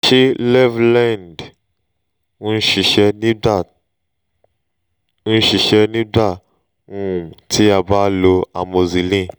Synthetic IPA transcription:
ʃe˦lɛ˦vlã˦˨nd | ũ˦ʃi˨ʃɛ˧nĩ˦da˦˨˦ | ʃi˨ʃɛ˧nĩ˦da˦˨ | ŋũ˦˨tʰi˦a˧ba˦lo˧a˨mo˨zi˨lĩ˦˨

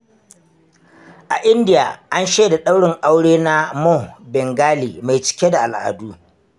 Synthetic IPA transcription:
ʔa˨ʔɪ˦ndɪ˦ja̰ː˨ʔa˦nʃeː˦da˨ɗa˦wɽɪ˨ŋʔa˦wɽeː˦na˦mɔ˦bɛ˨ŋɡaː˦liː˨ma˨jt͡ʃɪ̥˦kʲe˦da˨ʔa˨lʔa̰ː˨duː˦

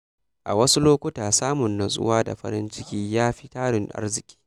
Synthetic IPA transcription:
ʔa̰˨wɐ˦su˦loː˦kʷʊ˦taː˨saː˦mʊ˨nːa˨sʼʊ̰˦waː˦da̰˨ɸɐ̰˦ɾɪ˦nt͡ʃɪ˦kʲiː˦jaː˦ɸi˦taː˦ɽɪ˨ŋʔa̰˦rzɪ˨kʲʼi̥ː˦

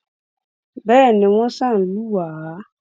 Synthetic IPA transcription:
bɛː˦˨nɪ̃˨wɔ̃˦sã˦˨n˨lu˦waː˨˦

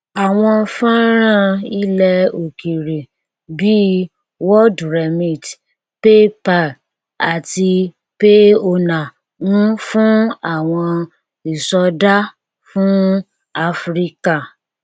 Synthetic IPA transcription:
a˨w̃ɔ̃˧fã˦ɾ̃ã˦˨i˦lɛ˧o˨ki˨ɾe˨ | bi˦ | wɔ˦dɾɛ˨mĩ˦˨t | pe˦pa˦˨ | a˨ti˧ | pe˦o˧nã˨ | nũ˦fũ˦a˦˨w̃ɔ̃˧ | i˨sɔ˧da˦ | fũ˦ | a˧fɾi˦ka˦˨

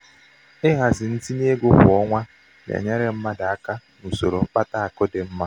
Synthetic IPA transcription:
ɪ˦ɦa˨zɪ˨n̩˦ti˦ni˦e˦ɡʊ˦ɦʊ˨ɔ˦ŋʷa˦ | n˨ḛ˨ɲa˦ɾe˨m̩˦ma˦da˨a˦ka˦nu˨so˨ɾo˨m̩˦k͡pa˦ta˦a˨kɔ˦de˨m̩˦ma˦

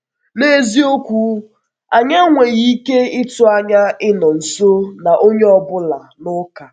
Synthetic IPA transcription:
ne˦zi˦o˦kʷu˦ | a˨ɲa˦ŋʷe˨ɣi˦ke˦ɪ˦tʊ˨a˦ɲa˦ɪ˦nɔ˨n̩˨so˦na˨ʔo˦ɲe˦ɔ˦bʊ˦la˨nʊ˦ka˨

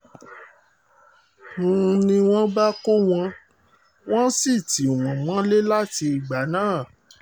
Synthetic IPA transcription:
nũ˦˧nĩ˧w̃ɔ̃˦ba˦ko˦w̃ɔ̃˧ | w̃ɔ̃˦si˦˨ti˨w̃ɔ̃˨mã˨˦le˦la˦ti˧i˨ɡ͡ba˨˦nãː˦˨

